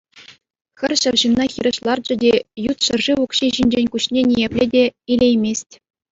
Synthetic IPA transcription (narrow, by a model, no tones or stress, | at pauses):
xʲɘ̆rʲɕɘ̆rʑɯnːɑxʲiɾʲɤ̆ʃlˠɑrd͡ʑɘ̆dʲejut̪ɕɤɘ̆rʐiʋukɕiʑinʲd͡ʑenʲkuɕnʲenʲijepʲlʲedʲeilʲejmʲesʲtʲ